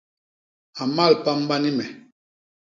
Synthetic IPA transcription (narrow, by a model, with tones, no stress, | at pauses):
a˨ma˦˨lpa˦m˦ba˦ni˦mɛ˨